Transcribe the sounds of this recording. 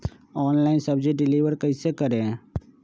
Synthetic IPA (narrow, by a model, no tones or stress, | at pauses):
ɔːnlaːɪnsɐbd͡ʒeɖɪliːʋəɾkɐisekɐɾẽ